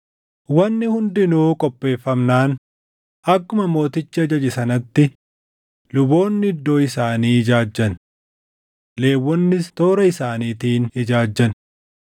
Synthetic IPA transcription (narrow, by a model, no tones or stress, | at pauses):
wɐnːɪhʊnd̪ɪnuːkʼɔpʼːe̞ːfːɐmnaːn | ʔɐkːʊmɐmo̞ːt̪ɪt͡ʃːɪɐd͡ʒɐd͡ʒɪsɐnɐt̪ːɪ | lʊbo̞ːnːɪɪd̪ːo̞ːɪsaːniːɪd͡ʒaːd͡ʒːɐn | le̞ːwːɔnːɪst̪oːɾɐɪsaːniːt̪iːnɪd͡ʒaːd͡ʒːɐn